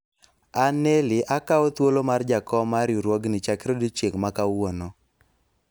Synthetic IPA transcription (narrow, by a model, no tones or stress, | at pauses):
anelɪʔakaot̪wolomard͡ʒakɔmaɾjuɾwɔɡnɪt͡ʃakɾodit͡ʃeŋmakawono